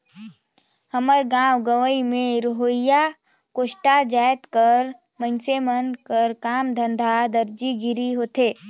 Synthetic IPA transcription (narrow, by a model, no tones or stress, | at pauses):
həməɾɡãːwɡəʋəimẽɾʊɦoːja | koːʃʈad͡ʒaːjt̪kəɾ | mənsemənkəɾkaːmd̪ʱə̃nd̪ʱad̪əɾd͡ʒiɡɪɾiɦoːt̪eː